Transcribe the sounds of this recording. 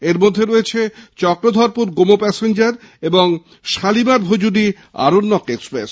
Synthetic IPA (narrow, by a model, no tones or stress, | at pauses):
eɾmod̪ʱːeɾoet͡ɕʰet͡ɕɔkɾod̪ʱɔɾpuɾɡomopɛsend͡ʑaɾ | eboŋ | ʃalimaɾbʱod͡ʑudi | a̰ɾonːɔkekspɾes